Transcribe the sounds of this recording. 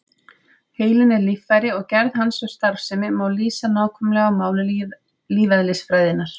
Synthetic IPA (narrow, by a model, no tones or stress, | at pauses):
heːjlɪnɛɾlifajɾɪɔɣcɛɾð̥hansʏst̪aɾvsɛːmɪmaːwliːsanaːwkʰœmlɛɣamaːwl | liːvaðlɪsfɾajðɪnaɾ̥